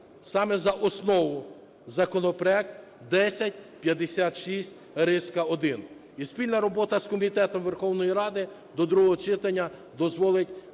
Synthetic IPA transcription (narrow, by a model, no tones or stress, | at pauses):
sɑmɛzɐʔɔsnɔʋʊ | zɐkɔnɔpɾɔɛk̚t̪ | d̪ɛsʲɐt̚ʲpjɐd̪esʲɑt̪ʃisʲtʲ | ɾɪskɐɔd̪ɪn | ispʲilʲnɐɾɔbɔt̪ɐskɔmʲit̪ɛt̪ɔmʋerxɔwnɔjiɾɑd̪ɪ | d̪ɔd̪ɾuɦɔɦɔt͡ʃɪt̪ɐnʲːɐd̪ɔzʋɔlˠɪtʲ